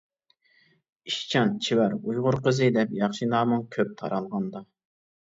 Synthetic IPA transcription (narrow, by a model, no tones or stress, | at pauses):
iʃt͡ʃʰɑnt͡ʃʰiwæɾujʁʊɾqəzɨd̪ɛpjɑχʃinɑːmɨŋkʲʰøp̚t̪ʰɑ̰ɾʔɑlˠʁɑnd̪ɑ